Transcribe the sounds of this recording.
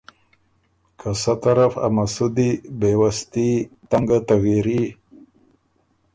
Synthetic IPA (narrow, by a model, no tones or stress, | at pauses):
kʰasat̪aɾafa̰masud̪ibewast̪it̪aŋɡat̪awiɾi